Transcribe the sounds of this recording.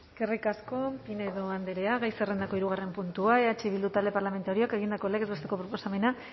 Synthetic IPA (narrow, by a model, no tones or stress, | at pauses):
kerikasko̞pineðo̞and̪e̞ɾe̞aɣajserend̪ako̞iɾuɣ̞are̞mpunt̪uaeat͡ʃeβild̪ut̪ald̪e̞paɾlame̞nt̪aɾio̞ake̞ɣind̪akolekezβe̞st̪e̞ko̞pɾo̞po̞same̞na